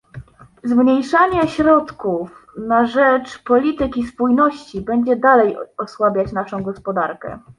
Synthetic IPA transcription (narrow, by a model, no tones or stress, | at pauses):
zmɲejʂaɲɛɕɾɔt̪kufnaʐɛt͡ʂpɔlʲit̪ɘkʲispujnɔɕt͡ɕibɛɲd͡ʑɛd̪alɛjɔswabʲjat͡ɕnaʂɔ̃w̃ɡɔspɔd̪aɾkɛ̰